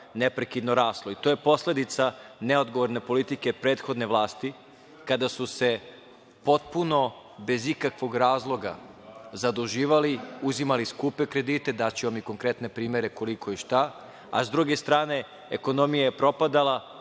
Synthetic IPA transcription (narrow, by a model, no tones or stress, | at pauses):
nepɾe̞kid̪no̞ɾaːslˠoit̪oje̞po̞sle̞d̪it̪saneo̞d̪ɡoʋo̞ɾne̞po̞lit̪ike̞pɾe̞ːt̪xo̞d̪ne̞ʋlˠaːst̪i | kad̪asuse̞ | po̞t̪̚puno̞ | be̞zikakʋo̞ɡɾaːzlˠo̞ɡa̰zad̪uʒiːʋaliuzimaliskuːpe̞kɾe̞d̪iːt̪e̞d̪at͡ɕeʋamiko̞ŋkɾe̞t̪ne̞pɾiːme̞ɾe̞ko̞liko̞iʃt̪a | a̰zd̪ɾuɡe̞st̪ɾaːne̞ | ḛko̞no̞mijajepɾo̞pad̪alˠa